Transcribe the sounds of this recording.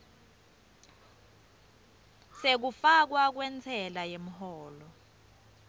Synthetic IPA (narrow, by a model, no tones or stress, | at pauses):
sek̬ufak̬wak̬wɛnt͡sʰɛlajem̩hɔːlɔ